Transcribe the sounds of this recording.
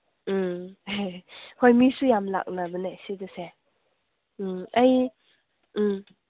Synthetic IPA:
m̩ | hojmisujamla̰k̚nabɯnajsidɯse | aj̩

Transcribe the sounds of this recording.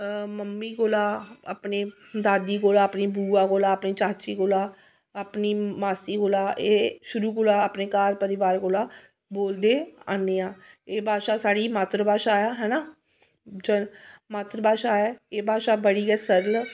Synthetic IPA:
məmːiːɡoːlaːaːpneː | d̪aːd̪iːɡoːlaːəpniːbuːaːɡoːlaːəpniːt͡ʃaːt͡ʃiːkoːlaː | aːpniːmaːsiːɡoːlaːʔeːʃʊɾuːkoːlaːapneːkaːɾpəɾɪʋaːɾkoːlaː | boːld̪eːaːneːãːeːbʱaːʃaːsaːɽiːmaːt̪ɾbʱaːʃaːjaːɦɛːnaː | d͡ʒəmaːt̪ɾəbaːʃaːɛːeːbʱaːʃaːbəɽiːɡɛːsəɾl

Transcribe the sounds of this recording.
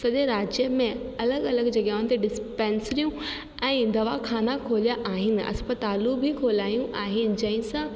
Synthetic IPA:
sɐɗeɾaːd͡ʑjəmẽɐləɡɐləɡd͡ʑɐɠaːɦʊ̃nɪ̆t̪eɖɪspɛ̃ːnsɾijũ | ɛ̃ːd̪ɐʋakʰaːnakʰoːlijaʔaːɦɪnɪ̆ʔɐ̰spət̪aːlubʱikʰoːlaːjũʔaːɦɪnɪ̆d͡ʑɐ̃ɦɪ̃sã

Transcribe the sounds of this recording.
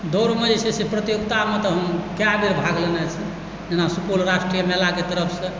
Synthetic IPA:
d̪oɾməd͡ʒsʰesepɾət̪joɡt̪amet̪ɔɦəmkjabeɾbʱaɡlenɛt͡ʃʰi | d͡ʒenasupulɾaʃʈɾijəmelaket̪əɾəpʰsə̃

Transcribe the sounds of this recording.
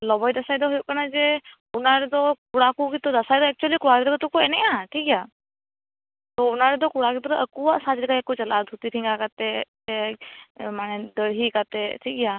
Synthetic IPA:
lɔbajd̪asajd̪ɔɦujuʔkanad͡ʒɛ | unaɾɛd̪ɔkuɽakukit̪ɔd̪asajd̪ɔɛk̚t͡ʃuəlikuɽaɾɛt̪ɔkɔt̪ɔkuɛnɛjaʈʰikja | t̪ɔunaɾɛd̪ɔkuɽakit̪ɔɾɔʔəkuaʔsat̪dikaɛkut͡ʃəlad̪ʱut̪iɾʰiŋɡakat̪ɛ | ɛ | manɛd̪əɾɦikat̪ɛʈʰikja

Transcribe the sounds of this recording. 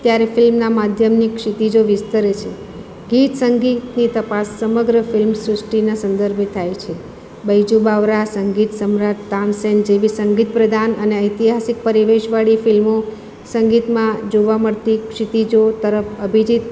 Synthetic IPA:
t̪jaɾefɪlmnamad̪ʱjəmnikʂit̪id͡ʒoʋɪst̪əɾet͡ʃʰe | ɡit̪səŋɡit̪nit̪əpasːəməɡɾəfɪlmsɾɪsʈinasə̃nd̪əɾbʱt̪ʰajt͡ʃʰe | bəjd͡ʒubaʋɾasəŋɡit̪səmɾat̪ːansend͡ʒeʋisəŋɡit̪̚pɾəd̪ʱanəneəjt̪iɦasik̚pəɾiʋeʃʋaɭifɪlmo | səŋɡit̪mãd͡ʒoʋaməɭt̪ikʂit̪id͡ʒot̪əɾəfəbʱid͡ʒit̪

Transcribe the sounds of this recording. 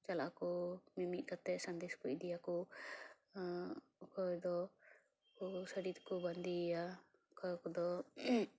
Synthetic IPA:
t͡ʃalaakɔmimiʔ̪̚ˀkat̪ɛsand̪eskɔd̪ijakɔ | kʰɔd̪ɔ | kɔsəɾid̪kɔband̪ija | kɔjkɔd̪ɔ

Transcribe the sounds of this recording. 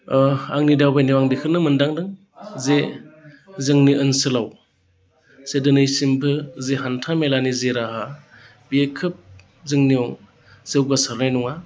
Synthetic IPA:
a̰ŋnidawbajniwaŋbikʰɯɾnɯmɯndaŋdɯŋ | ze | zɯŋniʔɯnsɯlaw | sedɯnɯjsimbʰɯzeɦantʰamelanizeɾaɦa | biekʰɯp̚ | zɯŋniɔŋ | zewɡasaɾnajnuŋa

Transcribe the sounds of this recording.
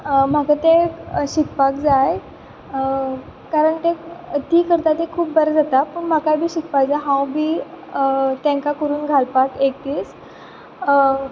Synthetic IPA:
m̤akat̪eɕik̚pakd͡zaj | kaɾəɳt̪et̪iːkəɾt̪at̪ekʰuːp̚bəɾd͡zat̪apəɳmakajbʱiːɕik̚pak̚d͡zaɦãwbʱiː | t̪ẽŋkakəɾuːnɡʱalpakek̚t̪iːs

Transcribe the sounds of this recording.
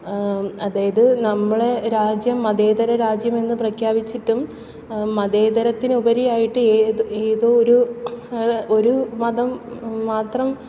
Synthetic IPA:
ɐðaːjɐðɨnɐmːɐɭeɾaːd͡ʑjɐmːɐd̪e̞ːd̪ɐɾɐɾaːd͡ʑjɐme̞nːɨprɐkʰjaːbit͡ɕːiʈːumː | ɐd̪e̞ːd̪ɐɾɐt̪ːinubɐɾijaːjiʈːɨeeːðo̞ːoɾu | o̞ɾumɐðɐmːaːt̪rɐm

